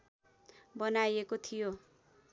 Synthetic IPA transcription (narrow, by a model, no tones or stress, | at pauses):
bʌnajekot̪ʰijo